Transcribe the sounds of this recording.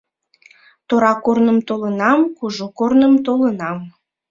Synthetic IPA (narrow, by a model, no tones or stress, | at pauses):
t̪oɾɑkornəmt̪olənɑmkuʒukornəmt̪olənɑm